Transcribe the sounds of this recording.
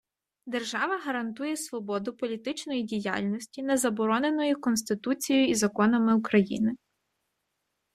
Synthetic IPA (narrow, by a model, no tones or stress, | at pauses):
d̪erʒɑʋɐɦɐɾɐnt̪ujɛsʋɔbɔd̪ʊpɔlʲit̪ɪt͡ʃnɔjidʲija̰lʲnʲɔsʲtʲinɛzɐbɔɾɔne̞nɔjʊkɔnst̪ɪt̪ut͡sʲijʊizɐkɔnɐmɪukɾɐjinɪ